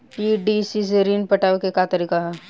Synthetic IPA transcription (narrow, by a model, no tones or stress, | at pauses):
piɖisis̬eɾiːnpɐʈaːʋekekat̪ɐɾiːkaɦɛː